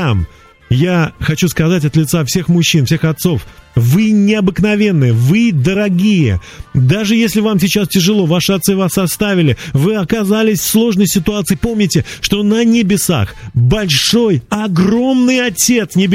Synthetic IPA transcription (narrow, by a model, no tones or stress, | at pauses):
am | jaxɐt͡ɕuskɐzat̬ʲɐt̪lʲɪt̪safsʲe̞xmʊɕːinfsʲe̞xɐt̪so̞fvɨnʲɪɐbɨknɐvʲe̞nːɨjəvɨd̪əɾɐɡʲijə̰ | d̪aʐɨjesʲlʲɪvamsʲɪt͡ɕastʲɪʐɨlˠo̞vaʂɨɐt̪sɨvasɐst̪avʲɪlʲɪvɨɐkɐzalʲɪsʲfslˠo̞ʐnəjsʲɪt̪ʊat̪sɨjɪpo̞mnʲɪtʲɪʂt̪o̞nənʲɪbʲɪsa̰xbɐlʲʂo̞jɐɡro̞mnɨjɐtʲe̞t̪snʲɪbʲ